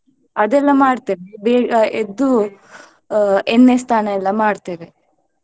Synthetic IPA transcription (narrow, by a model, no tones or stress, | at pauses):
ɐd̪ɛlːɐmaːɽt̪iːʋebeːed̪u | enːest̪ʰaːnɐɛlːɐmaːɽt̪iːʋe